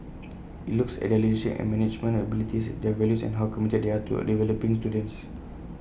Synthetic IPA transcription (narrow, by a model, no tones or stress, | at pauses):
itluksɛ̰t̚dɛlidesḭ̃ɛ̰̃nmɛ̃nit͡ʃmə̃nəbilit̪isdɛvɛljusɛ̰̃nɦawkɔ̃mit̪əd̚deat̪ṵdivɛlopĩŋst̪udə̃ns